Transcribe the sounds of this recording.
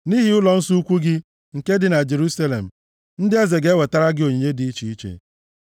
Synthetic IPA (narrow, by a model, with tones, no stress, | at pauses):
ni˦ɦi˦ʊ˦lɔ˨n̩˦su˦u˦kʷu˦ɡɪ˦ | ŋ̩˨ke˦dɪ˨na˨d͡ʒe˨ɾu˦sa˦lḛ˨m̩˨ | n̩˦dɪ˦a˦ze˨ɡe˨˦we˨ta˦ɾa˦ɡɪ˦o˨ɲe˨ɲe˦di˨i˦t͡ʃi˦i˦t͡ʃḛ˨